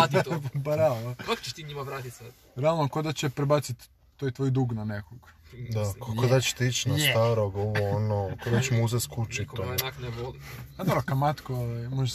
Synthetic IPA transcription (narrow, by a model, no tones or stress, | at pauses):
paɾakak̪t͡ʃe̥ʃt̪iɲimaʋɾaːt̪it̪sɛ | ɾealˠnokod̪at͡ɕepɾebat̪sit̪ | t̪ːojt̪ʋojd̪uːɡnanekoɡ̥d̪akokod̪at͡ʃe̥t̪it͡ʃnast̪aːɾoɡoʋoonokod̪at͡ʃemouzest̪kut͡ʃit̪oakneboliad̪obɾokamat̪koamoʒe